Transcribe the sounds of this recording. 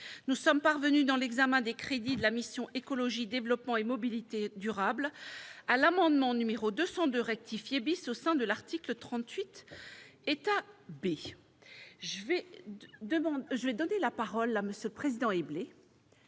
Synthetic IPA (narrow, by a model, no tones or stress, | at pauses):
nusɔmpaʁvənyd̪ɑ̃lɛɡzamɛ̃d̪ekχed̪id̪əlamisjɔ̃ʔekɔlɔʒid̪evlɔpmɑ̃emɔbilit̪ed̪yʁablalamɑ̃d̪mɑ̃nymeʁod̪øsɑ̃d̪øʁɛk̚t̪ifjebisosɛ̃d̪əlaʁt̪iklət̪χɑ̃t̪ɥit̪ | et̪abe | ʒəved̪əmɑ̃ʒəvɛd̪ɔnelapaʁɔlaməsjələpχezid̪ɑ̃eble